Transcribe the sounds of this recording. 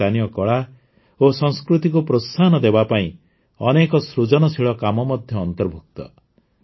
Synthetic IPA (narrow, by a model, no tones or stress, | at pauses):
anijɔkɔɭa | osɔŋskɾut̪ikupɾost̪ʰanɔd̪ebapaĩ | ɔnekɔsɾud͡ʒɔnɔsʰiɭɔkamɔmɔd̪ʱjɔːnt̪ɔɾbʱuk̚t̪ɔ̰